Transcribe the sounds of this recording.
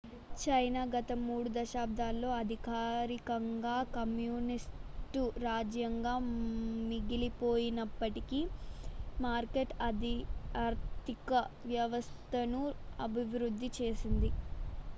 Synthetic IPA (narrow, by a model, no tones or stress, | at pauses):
t͡ʃɐjnaːɡɐt̪ɐmuːɽud̪ɐʃaːb̚d̪ʱaːlːo̞ːɐd̪ʱikaːɾikɐŋɡaːkɐmjuːnisʈuɾaːd͡ʒjɐŋɡaːmiɡilipoːjinɐpːɐʈikiː | maːɾkeʈɐd̪iaːɾt̪ikɐʋjɐʋɐst̪ʰɐnuɐbʱiʋɾud̪ʱːit͡ʃe̞ːsind̪i